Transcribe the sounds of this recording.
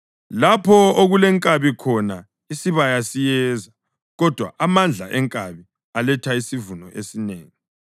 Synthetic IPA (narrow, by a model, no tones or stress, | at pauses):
lapʰɔoɣulɛŋkʼaβikʰɔna | isiβajasijɛza | ɣɔd̥ʱwa̰ʔamand͡ɮʱa̰ʔɛŋkʼaβi | alɛtʰaisivunɔʔesineːŋi